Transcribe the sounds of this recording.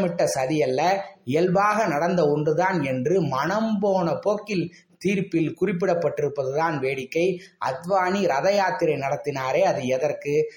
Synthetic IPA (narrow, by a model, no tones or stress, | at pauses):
mɪʈːɐsɐðɪjɐlːɐɪjɐlbaːɣɐnɐɽɐnd̪ɐɔndɯðaːnɛndrɯmɐnɐmboːnɐpoːkːɪl | t̪iːɾpɪlkʊrɪp̬ːɪɽɐpːɐʈːɪɾɯpːɐðɯðaːnʋeːɽɪkːɐɪɐ̰d̪ʋaːniɾɐðɐjaːt̪ːɪɾɐɪnɐɽɐt̪ːɪnaːɾeːɐðɯɛðɐrkɯ